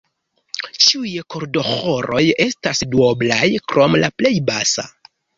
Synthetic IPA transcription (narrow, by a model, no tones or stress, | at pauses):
t͡ʃiujko̞ɾdo̞xoɾo̞je̞stasduoblajkɾo̞mlaple̞jbasa̰